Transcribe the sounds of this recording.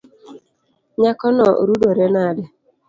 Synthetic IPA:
ɲakɔnɔɾudoɾenadɪ

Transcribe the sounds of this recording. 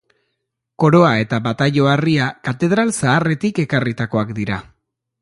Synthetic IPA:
ko̞ɾo̞ae̞t̪aβat̪aʎo̞ariakat̪e̞ð̞ɾalsaːre̞t̪ike̞karit̪ako̞akd̪iɾa

